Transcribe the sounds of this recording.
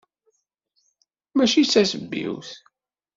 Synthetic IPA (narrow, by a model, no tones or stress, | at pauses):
mæʃisæsəbːḭwθ